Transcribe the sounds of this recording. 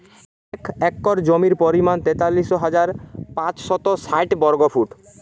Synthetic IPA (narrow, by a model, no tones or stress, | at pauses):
ɛkɛkːɔɾd͡ʑomiɾpoɾimant̪et̪alːiʃoɦad͡ʑaɾpãt͡ɕʃɔt̪osajʈbɔɾɡofʰuʈ